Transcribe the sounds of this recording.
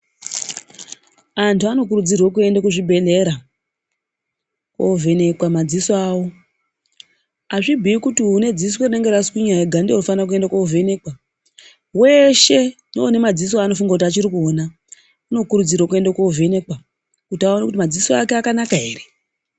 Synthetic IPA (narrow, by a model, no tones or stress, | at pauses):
antuano̞k̬uɾud͡zirwok̬ue̞ndakuʐibʱe̞le̞ɾa | kwo̰ve̞ne̞kwamad͡zisoaːwo̞ | aʐibʱiikutiɦune̞d͡zisweneŋɡeɾaskiɲajeɡʱandeonofanrak̬ue̞ndakouve̞ne̞kwa | we̞ʃe̞noːne̞mad͡zis̬oaːno̞fuŋɡakutiat͡ʃiɾikuona | uno̞kuɾud͡zirwokue̞ndakouve̞ne̞kwa | kutiauranakut̬imad͡zisoakeakanakaɦe̞ːre